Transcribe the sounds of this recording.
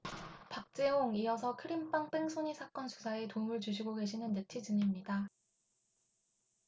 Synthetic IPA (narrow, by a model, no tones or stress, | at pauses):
pak̚t͡ɕ͈eɦoŋiʌs̬ʰʌkʰɯɾimp͈aŋp͈eŋsʰoɲisʰak͈ʌnsu̥sʰaetomɯɭt͡ɕuɕʰiɡoɡe̞ɕʰinɯnːe̞tʰid͡ʑɯnimɲida